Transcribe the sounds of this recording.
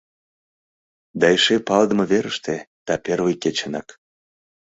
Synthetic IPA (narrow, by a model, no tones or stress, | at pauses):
d̪ɑeʃepɑld̪ə̆mɤ̆βeɾə̆ʃt̪e | d̪̥ɑpervəjket͡ɕenɑk